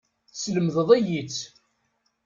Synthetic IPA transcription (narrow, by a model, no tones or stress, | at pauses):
sləmðəðˤæjit͡sː